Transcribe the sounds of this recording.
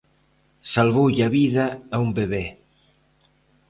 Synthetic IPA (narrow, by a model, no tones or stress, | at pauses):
salβowʎɐβiðɐːumbeβe